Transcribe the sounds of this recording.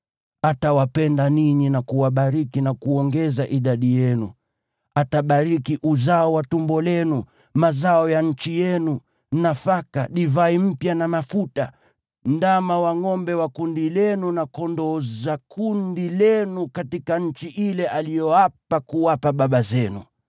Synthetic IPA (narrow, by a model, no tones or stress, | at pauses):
atawapɛndaniɲinakuwaɓaɾikinakuɔŋɡɛzaʔiɗaɗijɛnu | ataɓaɾikiʔuzaɔwatumbɔlɛnu | mazaɔjaɲ̩t͡ʃijɛnu | nafaka̰ɗivaim̩pjanamafuta | ndamawaŋɔmbɛwakundilɛnunakɔndɔzakundilɛnukatikaɲ̩t͡ʃiʔilɛʔalijɔapakuwapaɓaɓazɛnṵ